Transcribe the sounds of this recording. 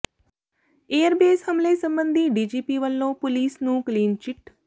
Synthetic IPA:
eːəɾbeːshəmleːsəmbənd̪ʱiːɖiːd͡ʒiːpiːʋəlːõːpʊliːsnũːkliːnt͡ʃɪʈ

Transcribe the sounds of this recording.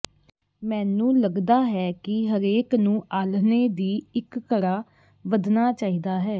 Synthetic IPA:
mɛ̃ːnũːləɡd̪aːɦɛːkɪɦəɾeːknũːʔaːlneːd̪iːɪkːəɾaː | ʋəd̪naːt͡ʃaːɦiːd̪aːɦɛː

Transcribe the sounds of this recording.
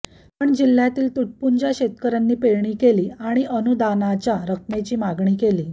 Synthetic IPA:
pəɳd͡ʑil̤ːjat̪iːlt̪uʈ̚puɲd͡ʑaɕet̪kəɾanːiːpeɭɳiːkeliːaɽ̃iʔənud̪anat͡ɕjaɾək̚met͡ɕiːmaɡɳiːkeliː

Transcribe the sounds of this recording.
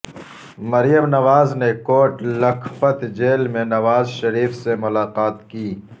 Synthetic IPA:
mɐɾjəmnɐʋaːznekoːʈlɐkʰfət̪d͡ʒeːlmẽnɐʋaːzʃɐɾiːfsemʊlaːqaːt̪kiː

